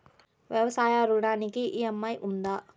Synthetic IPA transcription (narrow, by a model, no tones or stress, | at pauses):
ʋjɐʋɐsaːjaɾuɽaːnikiʔiɐmːɐjʔund̪aː